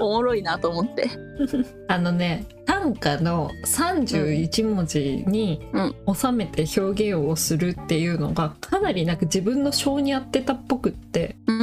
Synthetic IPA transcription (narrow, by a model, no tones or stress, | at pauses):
omoɾo̞inat̪oːmot̪ːe̞ | ano̞ne̞t̪ãŋkano̞sãɲd͡ʑɨːit͡ɕimo̞d͡ʑiɲ̟ĩo̞same̞t̪e̞ço̞ːɡẽ̞ɰ̃o̞sɨɾɯ̟t̪ːe̞jɯ̟ːno̞̰ɡakʰanaɾʲinakɯd͡ʑibɯ̟̃nːo̞ɕo̞ːɲ̟iat̪ːe̞t̪apːo̞kɯ̟t̪ːe̞̰